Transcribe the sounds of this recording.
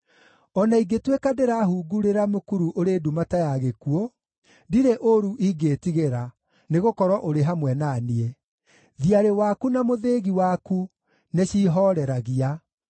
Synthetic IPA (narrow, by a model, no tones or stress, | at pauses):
ɔnaiɡetwekadeɾaɦuɡuɾeɾamokuɾuʔoɾeːdumatajaɣekuo | diɾeʔoɾuʔiɡetiɣeɾa | neɣokɔɾwɔʔoɾeɦamwɛnanie | ðiaɾewakunamoðeɣiwaku | neɕiːɦɔɾɛɾaɣia